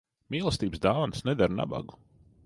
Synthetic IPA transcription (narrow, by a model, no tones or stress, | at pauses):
miːlˠəst̪iːbsd̪awnsnɛd̪aɾna̰ba̰ɡu